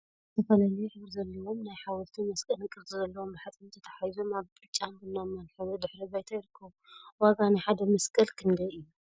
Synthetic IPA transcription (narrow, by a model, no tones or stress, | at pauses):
zɨt̪ʰɐfɐlalɐjuħɨβɾzɐlːɐwo̞mnajħawɔlt̪ʰimɐskʼɐlɨkʼɨɾzʼɨzɐlːɐwombaħat̪ʼɨnt̪ʰɐt̪ʰɐ̥ħajzomaβbɨɾt͡ʃʼːambɨlːomːɐnħɨβud̪ɨħɾibajt̪ʰajɪɾkʰːɐβuwaɡanajħad̪ɐmɐskʼɐlkʰɨnd̪ɐɨjːu